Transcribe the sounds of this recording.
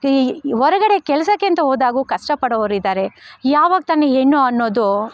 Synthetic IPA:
ɦɔɾɐɡɐɽe̞kɛlɐsɐkːint̪ɐɦoːd̪aːɡuːkɐʂʈɐpɐɽoʋɐɾid̪aːɾe̞jaːʋaːɡ̚t̪ɐnːeeːnːuɐnːoːd̪u

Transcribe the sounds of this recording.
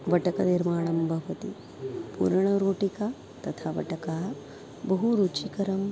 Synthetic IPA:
ʋɐʈɐkɐniɾmaːɳɐmbʱɐʋɐt̪i | pṵːɾɐɳɐɾoːʈikaː | t̪ɐt̪ʰaːʋɐ̰ʈɐkaː | bɐɦuɾuːt͡ʃikɐɾɐm

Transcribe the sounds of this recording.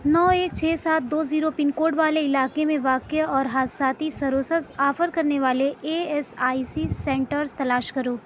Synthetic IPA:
nɔːeːk̚t͡ʃʰɛːsaːt̪̚d̪oːziːɾopɪnkoːɖʋaːleɪlaːkemẽʋaːkeɔːɾɦaːsaːt̪isɐɾoːsəsaːfəɾkɐɾneʋaːleeːɛsaːisisɛ̃ːɳʈəɾzt̪ɐlaːʃkɐɾoː

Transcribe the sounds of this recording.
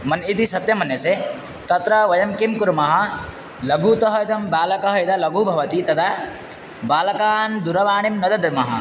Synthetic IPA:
mɐnit̪isɐt̪jɐmɐnjɐse | t̪ɐt̪ɾɐʋɐjɐmkimkuɾmɐɦɐ | lɐɡʱuːt̪ɐɦɐjt̪ɐmbaːlɐkɐɦɐit̪ʰɐlɐɡʱuːbʱɐʋɐt̪it̪ɐt̪ʰa | baːlɐkaːnd̪uɾɐʋaːɳimnɐd̪ɐd̪ɐmɐɦɐ̰

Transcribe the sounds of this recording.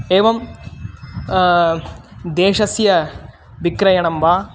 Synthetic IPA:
eːʋɐm | d̪eːʂɐsjɐ | ʋikɾɐjɐɳɐmʋaː

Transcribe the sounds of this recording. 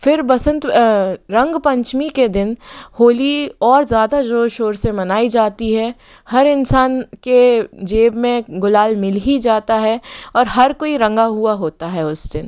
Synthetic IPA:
fɪɾbɐsə̃nt̪ɾɐ̃ŋɡpɐ̃ɲt͡ʃmiked̪ɪnhoːliɔːɾzjaːd̪ad͡ʒoːʃoːɾsemɐnaːid͡ʒaːt̪iɦɛ | hɐɾɪnsaːnked͡ʒeːbmẽɡʊlaːlmɪlɦid͡ʒaːt̪aɦɛɔːɾɦɐɾkoːiɾɐ̃ŋɡaɦuaɦoːt̪aɦɛʊsd̪ɪn

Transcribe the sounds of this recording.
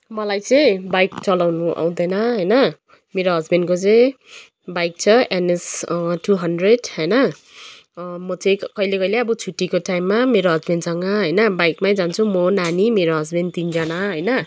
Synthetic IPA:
mʌlajt͡sʌj̃bajkt͡sʌlawnuʔa̰w̃d̪ʌnʌɦʌjnʌ | meɾoɦʌd͡zbenkot͡sʌ̃j̃ | bajk̚t͡sʰʌenesʈuɦʌnɖreɖɦʌjnʌ | mʌt͡sʌj̃kʌjlekʌileʌbʌt͡sʰuʈːikoʈajmːameɾoɦʌd͡zbensʌŋɡʌɦʌjnʌbajkmaj̃d͡zant͡sʰumʌnanimeɾoɦʌd͡zbent̪ind͡zʌnaɦʌjnʌ

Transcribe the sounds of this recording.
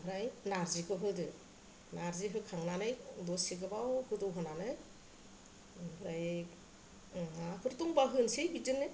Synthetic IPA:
bʰɾajnaɾzikʰɯɦɯdɯ | naɾziɦɯkʰaŋnanɯjdɔsiɡɯbawkʰɯdɯwɦɯnanɯ | bʰɯɾaj | akʰɯɾtuŋbaɦɯnsijbid͡ʒɯnːɯ

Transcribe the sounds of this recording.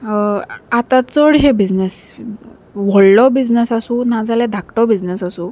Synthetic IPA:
at̪ãt͡səɽɦebid͡znes | ʋɔɭlɔbid͡znesasũnad͡zalɛd̪ʱakʈɔbid͡znesasu

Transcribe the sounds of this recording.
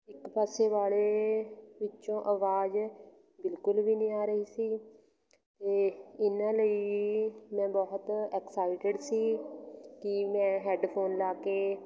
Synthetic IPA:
ɪkpɛːseːʋaːleːʋɪt͡ʃːt͡ʃõːʔəʋaːd͡ʒ | bɪlkʊlʋiːnĩːaːɾəɦiːsiː | t̪eːɪnãːləi | mɛ̃ːbɔːt̪ɛːksaːɪʈɪɖsiːkɪmɛ̃ːɦɛːɖpʰoːnlaːkeː

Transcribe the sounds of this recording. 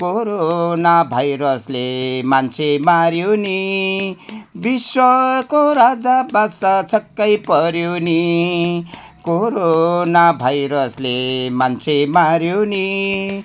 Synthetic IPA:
koɾonabʱajɾʌslemant͡sʰemaɾjoni | biswʌkoɾad͡zabasat͡sʌkːʌjpʌɾjoni | koɾonabʱajɾʌslemant͡sʰemaɾjoni

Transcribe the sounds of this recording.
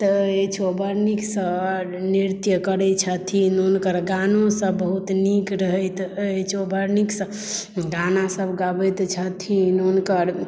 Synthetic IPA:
t̪et͡ʃʰobəɾniksə | niɾt̪jəkəɾɛt͡ʃʰət̪ʰinonkəɾɡanõsəbbəɦut̪nikɾəɦəjt̪t͡ʃʰobʱəɾniksə̃ | ɡanasəbɡabət̪t͡ʃʰət̪ʰinonkəɾ

